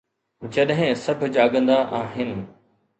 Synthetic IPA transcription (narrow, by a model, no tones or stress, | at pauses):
d͡ʑɐɗɦɪ̃sɐbʱʊd͡ʑaːɠə̃nd̪aʔaːɦɪnɪ̆